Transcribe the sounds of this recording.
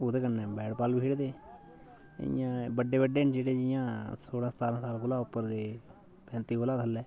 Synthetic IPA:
oːd̪eːkənːɛ̃ːbɛːɽpaːlbiːɽd̪eː | jãːbəɖːeːbəɖeːnd͡ʒeːɽeːd͡ʒɪjãːsoːɽãːsət̪aːɾãːsaːlkʊlaːʊpːəɾd̪eː | pɛ̃ːnt̪iːoːlaːt̪ʰəlːɛː

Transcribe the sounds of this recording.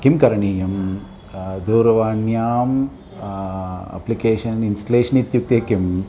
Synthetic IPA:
kimkɐɾɐɳiːjɐm | d̪uːɾɐʋaːɳjaːm | ɐ̰plikeːʃɐninsʈɐleːʂɐnit̪juk̚t̪eːkim

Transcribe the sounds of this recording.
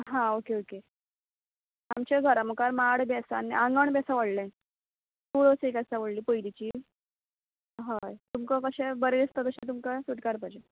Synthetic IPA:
ɦãokeoke | amt͡ɕaɡʱəɾaməkaɾmaɽbjasanːḭãŋɡəɳbjasaʋəɽlã | t̪uɽosekasaʋəɽliːpəjdit͡ɕiː | ɦajt̪umkakəɕẽbəɾed̪ist̪at̪əɕẽt̪umkasuʈkaɾpajd͡ʑe

